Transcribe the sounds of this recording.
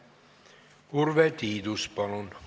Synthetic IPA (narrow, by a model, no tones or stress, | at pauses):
urʋɛt̪iːd̪uspɑlun